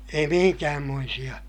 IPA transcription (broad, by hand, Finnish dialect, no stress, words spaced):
ei mihiŋkæːmːoisij̆ɑ